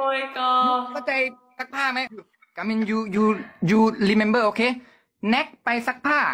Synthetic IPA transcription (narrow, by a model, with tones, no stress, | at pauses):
o˧˩kɔ˧ɔː˥˩wt͡ɕa˧j | sa˦˥k̚pʰaː˥˩ma˦˥jɯ˧˩ | ka˨˩mi˧njuː˧juː˧juː˧liː˧˩me˧nbɤː˥˩ʔoː˧kʰeː˧˥˩ | nɛ˦˥k̚pa˧jsa˦˥k̚pʰaː˥˩